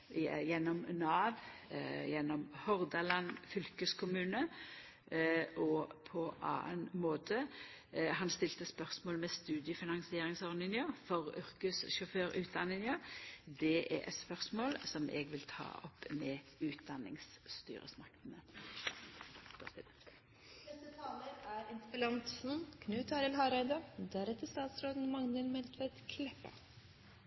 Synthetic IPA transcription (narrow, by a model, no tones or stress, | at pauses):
jɛnːɔmnɑːʋjɛnːɔmhɔʁd̪ɑlɑnːfʏlkəskʰʊmʉːnə | ʔɔpʰɔʔɑ̰ːə̰nmoːt̪ʰə | ɦɑnst̪ɪlt̪əspœʁsmoːlmɛst̪ʉːd̪ɪəfɪnɑŋsɪeːɾɪŋsɔʁnɪnəʁfɔʁʏʁkʉsʃɔføːɾʉːt̪̚d̪ɑnːɪnəd̪ɛʔɛ̰ʔɛ̰t̪spœʁsmoːlsɔmʔɛ̰ɡʋɪlt̪ʰɑ̰ːɔpːmɛʉːt̪̚d̪ɑnːɪ̰ŋsst̪y̰ːʁə̰smɑk̚t̪nə | pʰɔst̪ɛd̪ə | ɛsət̪ʰɑːləɾæɾɪnt̪fəlɑnt̪sn̩kʰnʉːt̪ʰɑɾɪlɦɑɾæɪd̪ɑd̪æɾɛt̪ːəst̪ɑːt̪sɾoːd̪n̩mɑŋnəlmɛlt̪ʰʋɛd̪kʰlɛpːɑ̰